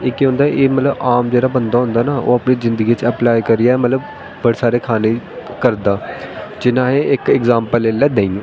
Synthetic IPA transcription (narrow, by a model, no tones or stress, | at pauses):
ɪːkːɦʊ̃ːnd̪aʔeːmət̪ləbaːmd͡ʒeːɽaːbənd̪aːɦʊ̃nd̪aːnaːʔo̰ːəpniːzɪ̃nd̪əɡiːt͡ʃəplaːikəɾɪjaːɛːmət̪ləb | bəɽeːsaːɾeːkʰaːneːkəɾd̪aːd͡ʒɪnãːɦeːɪkɪkzaːmpəleːlɛːd̪ẽĩː